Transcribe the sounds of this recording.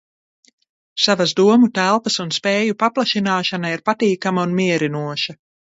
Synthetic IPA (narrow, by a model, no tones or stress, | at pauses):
savazd̪uɔmut̪ælˠpɐsunspeːjupaplˠaʃinaːʃanaiɾpat̪iːkamaunmiɛɾinuɔʃa